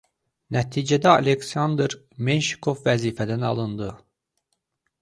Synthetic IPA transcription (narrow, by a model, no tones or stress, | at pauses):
næt̪ʰiːd͡ʒæd̪æɑleksɑnd̪ɾ | menʃi̥kʰovvæziːfæd̪ænɑ̰lˠɯnd̪ɯ